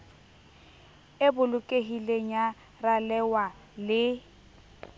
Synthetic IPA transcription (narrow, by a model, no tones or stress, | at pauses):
ɪbʊlʊkʼeɦileɲa | ralɛwa | lɪ